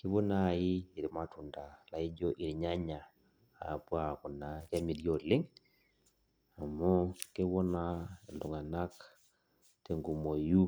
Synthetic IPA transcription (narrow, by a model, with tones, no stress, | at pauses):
ki˦βɔ˦na˦˨iː˦˨ɾi˨ma˨tu˨nda˨la˨i˦d͡ʒɔ˦ʔi˨ɾɲa˦ɲa˨ | a˨pwa˦˨ku˨na˨kja˦mi˨ɾjo˦˨lɪ˦ŋ | a˨mɔ˦ke˦βɔ˦na˦˨ldu˨ŋa˨na˦k | te˨ŋɡu˨mo˨ju˦